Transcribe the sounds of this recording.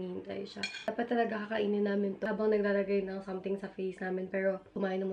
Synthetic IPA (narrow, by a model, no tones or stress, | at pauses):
ihɪnt̪ɐ̰jʃaapɐt̪ːɐlɐɡakɐkɐʔiːnɪnːaːmɪnt̪ːbɐŋnɐɡ̚d̪aːlɐɡajnɐŋsɐmt̪ɪŋsɐfejsnaːmɪnpɛːɾo̞kʊmaːʔɪnɐmʊ